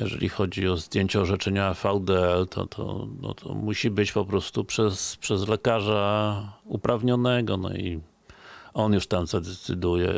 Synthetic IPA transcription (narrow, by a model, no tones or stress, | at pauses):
jɛʐɛ̰lʲixɔd͡ʑiɔzd̪ʲjeɲt͡ɕɛɔʐɛt͡ʂɛɲafawd̪ɛɛlt̪ʰɔ̰t̪ʰɔ̰nɔ̰t̪ʰɔ̰muɕibɘt͡ɕpɔpɾɔst̪upʂɛspʂɛzlɛkaʐaupɾʔavɲɔnɛɡɔnɔ̰i | ɔnjuʂt̪amzad̪ɛt̪sɘ̰d̪ujɛ̰